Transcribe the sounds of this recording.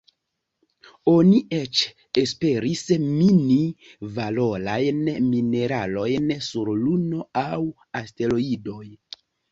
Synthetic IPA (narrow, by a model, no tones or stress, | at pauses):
o̞niet͡ʃ | e̞spe̞ɾismini | valo̞ɾajnmine̞ɾalo̞jnsuɾluno̞aw | aste̞loido̞j